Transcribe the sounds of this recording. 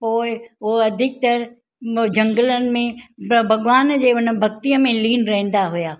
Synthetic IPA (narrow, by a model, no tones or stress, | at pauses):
poːɪoɐd̪ʱɪk̚t̪ɐɾ | d͡ʑɐ̃ŋɡələnɪ̆mẽbʱɐɡʋaːnd͡ʑeːʊnbʱɐk̚t̪iəmẽliːnɾɐɦẽːn̆d̪aɦʊjaː